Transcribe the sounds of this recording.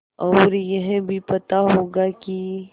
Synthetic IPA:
ɔːɾjɐɦbʱipɐt̪aɦoːɡaki

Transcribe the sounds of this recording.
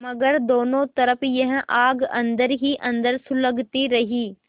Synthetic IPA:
mɐɡəɾd̪oːnõt̪ɐɾəpjɐ̃ɦʔaːɡɐ̰̃nd̪əɾɦiʔɐ̃nd̪əɾsʊləɡt̪iɾɐɦiː

